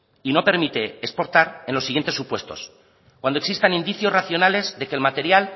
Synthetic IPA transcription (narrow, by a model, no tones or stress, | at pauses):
ino̞pe̞ɾmit̪e̞ːspo̞ɾt̪aɾenlosːiɣent̪esːupwe̞st̪o̞s | kwand̪oeksist̪anĩnd̪iθjo̞raθjo̞nale̞zðe̞keːlmat̪e̞ɾjal